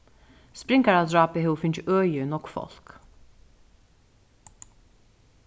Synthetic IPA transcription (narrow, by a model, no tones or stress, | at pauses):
spɾɪŋkaɾad̪ɾɑːpəhɛʊfʏntœːjənɔkfɔ̰l̥k